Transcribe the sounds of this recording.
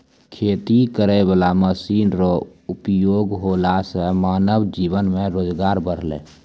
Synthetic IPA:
kʰeːt̪ikəɾebəlaməsiːnɾo | ʊpjoːɡɦoːlasɛmaːnəwd͡ʒiːʋənmẽɾoːd͡ʒɡaːɾbəɽ̤lḛː

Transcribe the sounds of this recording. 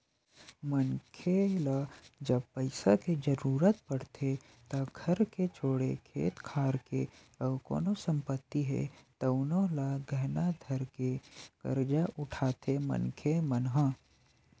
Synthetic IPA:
mənkʰelad͡ʒəb̚pəɪsaked͡ʒəɾuːɾət̪pəɽt̪ʰe | t̪ɐɡʱɐɾket͡ʃʰoːɽekʰḛːt̪kʰaːɾke | əko̰ːnosə̃mpət̪ːiɦɛ̰t̪ɐʊnolaɡʱɛɦnad̪ʱəɾkekə̰ɾd͡ʒaʔʊʈʰaːt̪emə̰nkʰemənɦã

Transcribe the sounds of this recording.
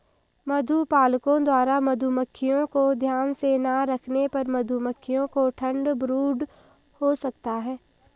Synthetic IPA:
mɐd̪ʱupaːlkõd̪waːɾamɐd̪ʱuməkʰːijõkod̪ʱjaːnsenaɾɐkʰnepɐɾmɐd̪ʱuməkʰːɪjõkoʈʰə̃ɳɖbɾuːɖ | hosɐkt̪aɦɛː

